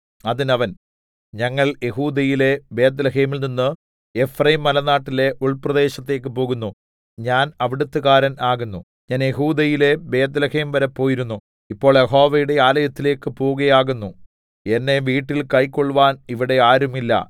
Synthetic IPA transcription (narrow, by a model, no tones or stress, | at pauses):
ɐðinɐʋɐn | ɲɐŋːɐɭje̞ɦuːd̪ɐjile̞be̞ːt̪̬lɐɦe̞ːmilninːɨ | e̞frɐjimːɐlɐnːaːʈːile̞ʔuɭprɐðe̞ːɕɐt̪ːe̞ːk̬ːɨpo̞ːɣunːu | ɲaːnɐʋiɽut̪ːɨɣaːɾɐnaːɣunːu | ɲaːnje̞ɦuːd̪ɐjile̞be̞ːt̪̬lɐhe̞ːmʋɐɾɐpːo̞ːjiɾunːu | ipːo̞ːɭjeɦo̞ːʋɐjuɽe̞aːlɐjɐt̪ːile̞ːkːɨpoːuɣɐjaːɣunːu | e̞nːe̞ʋiːʈːilkɐjkːoɭːuʋaːniʋiɽe̞aːɾumilːɐ̰